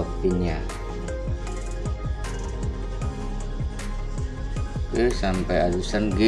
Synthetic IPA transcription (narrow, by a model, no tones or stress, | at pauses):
ɔk̚t̪iɲa | kəsampɛjadusanɡə